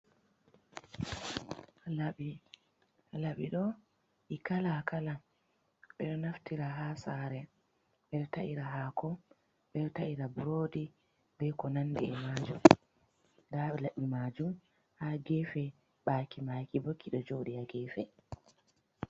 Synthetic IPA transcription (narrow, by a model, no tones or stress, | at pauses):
laɓ | laɓiɗɔ | ʔikalakala | ɓɛɗɔnaftiɾaɦaːsaɾɛ | ɓɛɗɔtaʔiɾaɦakʰɔ | ɓɛɗɔtaʔiɾabuɾoːdi | bɛkɔnanːdiɛmad͡ʒum | daɓɛlaɓːimad͡ʒum | haɡɛfɛ | ɓakimakibokʰːiɗɔd͡ʒoɗiaɡɛːfɛ